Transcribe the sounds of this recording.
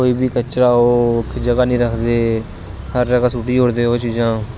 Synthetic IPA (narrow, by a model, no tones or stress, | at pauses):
koːiːbiːkət͡ʃɾaːoːkʰːd͡ʒəɡaːnĩːɾəkʰd̪eː | həɾd͡ʒəɡaːsuːʈiːɦoːɾd̪eːoːt͡ʃd͡ʒãː